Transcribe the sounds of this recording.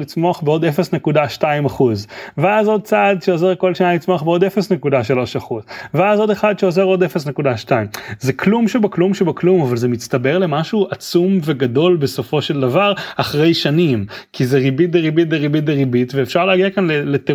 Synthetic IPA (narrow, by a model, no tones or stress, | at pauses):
lit͡smo̞aχbeo̞defesne̞kudaʃtaimaχuzveazo̞d̪̚t͡sadʃeoze̞ʁko̞lʃanalit͡smoaχbeo̞defesnekudaʃalo̞ʃaχuzveazo̞d̪eχad̪ʃeoze̞ʁo̞defesnekudaʃtaimzekʰlumʃebaklumʃebaklumavalzemit͡stabe̞ʁle̞maʃuat͡sumve̞ɡado̞lbeso̞fo̞ʃe̞ld̪avaʁaχʁe̞jʃanimkizeʁibit̚deʁibit̚deʁibit̚deʁibitveːfʃaʁleaɡiakanlelete